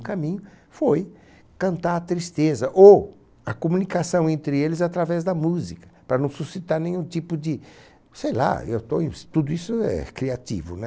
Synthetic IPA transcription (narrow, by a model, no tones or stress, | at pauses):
kamĩɲʊ | foj | kɐ̃nt̪aɾɐt̪ɾist̪ezɐʔo | ɐkomũnikasɐ̃w̃ẽnt̪ɾɪelɪzat̪ɾavɛzd̪ɐmuzikɐ̥pɾɐnɐ̃w̃susit̪aɾnẽɲ̃ũt̪ipʊd͡ʒɪ | sejla̰ewt̪oẽt̪ud̪ʊisʊɛ̰kɾiat̪ḭvʊnɛ